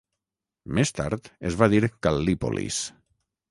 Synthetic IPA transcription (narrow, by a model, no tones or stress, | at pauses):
mest̪a̰ɾt̪ezβaðiɾkalːipo̰lḭs